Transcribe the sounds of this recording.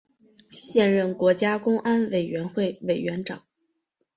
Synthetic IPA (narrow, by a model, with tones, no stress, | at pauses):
ɕjɛ˥˧nɻə˥˩nkwɔ˧˥t͡ɕja˥kʊ˥ŋʔa˥nwe˨˩ɪɥɛ˧˥nxwe˥˩ɪwe˨˩ɪɥɛ˧˥nʈ͡ʂɑ˨˩˦ŋ